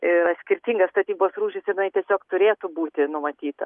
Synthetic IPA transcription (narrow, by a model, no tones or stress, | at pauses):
ɪɾɐt̪sʲkʲɪɾʲt̪ʲiŋɡɐsst̪ɐt̪ʲiːboːsruːʃʲɪsɪɾɪnɐɪt̪ʲiɛsʲoːkt̪ʊɾʲeːt̪ʊbuːt̪ʲɪnʊmɐt̪ʲiːt̪ɐ̰